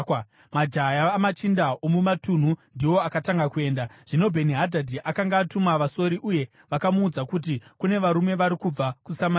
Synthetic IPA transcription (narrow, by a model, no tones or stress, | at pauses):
mad͡ʒajamat͡ʃindaʔomumatun̤undiwo̞akataŋɡakue̞ːndaʐ̥ino̞bʱe̞niɦadʱadʱiʔakaŋɡaːtumaʋaso̞ɾiʔuje̞ | ʋakamuːd͡zakut̬ikune̞ʋaɾume̞ʋaɾikub͡vakusama